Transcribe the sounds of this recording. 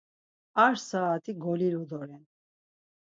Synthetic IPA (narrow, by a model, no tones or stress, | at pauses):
aɾsaːt̪ʼiɡɔliɾud̪ɔɾɛn